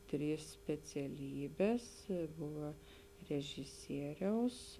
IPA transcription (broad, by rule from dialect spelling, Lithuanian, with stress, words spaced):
ˈtʲrʲiːs sʲpʲɛt͡sʲɛˈlʲiːbʲeːs ˈbʊʋɐ rʲɛʒʲɪˈsʲiɛrʲɛʊs